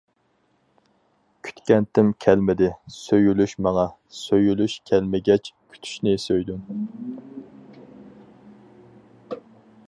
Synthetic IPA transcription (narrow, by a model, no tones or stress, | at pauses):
kʲʰy̥t̪kʲɛnt̪ʰɪmkʲʰɛlmɪd̪ɪsøjylyʃmɑŋɑ | søjylyʃkʲʰælmɪɡʲɛt͡ʃkʲʰy̥t̪ʰy̥ʃnɪsøjd̪ym